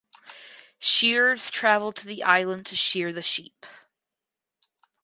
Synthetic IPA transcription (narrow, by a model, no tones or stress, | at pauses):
ʃɪɹz̥tʰɹ̥ævl̩̚ˠtʰɨðiʔaɪlˠə̃ntʰɨʃɪɹðɨʃip